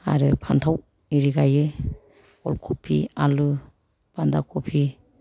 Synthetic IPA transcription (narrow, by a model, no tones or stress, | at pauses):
a̰ɾɯpʰantʰaw | iɾiɡajɯ | ɔlkʰupʰialu | b̥andakʰɔpʰi